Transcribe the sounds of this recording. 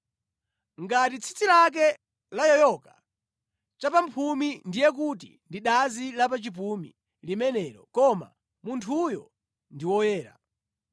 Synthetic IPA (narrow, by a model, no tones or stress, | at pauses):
ŋɡatit͡sʰi̥t͡sʰilak̬ɛ | lajɔjɔkḁ | t͡ʃapampʰumindijɛk̬utḭndiɗazilapat͡ʃip̬umḭ | limɛnɛːɾɔkɔma̰ | muntʰujɔ | ndiwɔjɛːɾa̰